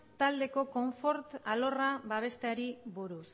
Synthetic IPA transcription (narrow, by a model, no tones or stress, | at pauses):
t̪ald̪e̞ko̞ko̞ɱfo̞ɾt̪alo̞raβaβ̞e̞st̪eaɾiβuɾus